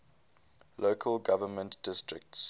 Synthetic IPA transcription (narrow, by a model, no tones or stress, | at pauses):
loːkʰəlɡavəmə̃ntd̥ɪstɹɪk̚ts